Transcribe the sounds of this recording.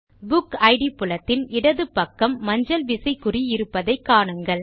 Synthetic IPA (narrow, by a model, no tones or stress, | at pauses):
bʊkɐɪɽipʊlɐt̪ːɪnɪɽɐðɯpːɐkːɐmːɐɲd͡ʒɐlʋɪsɐɪkːʊriɪɾɯpːɐðɐɪkːaːɳɯŋɡɐɭ